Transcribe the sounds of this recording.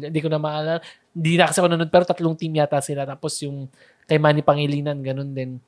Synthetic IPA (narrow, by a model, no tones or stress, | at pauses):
ɪnd̪iːkonɐmaʔaːla | hɪnd̪iːnɐkɐsɛkonɐnod̪̚pɛːɾo̞t̪ɐt̪loŋt̪imjaːt̪asɪlat̪aːpo̞sjʊŋ | kɐjmanipɐŋɪliːnɐnɡɐno̞nd̪ɛn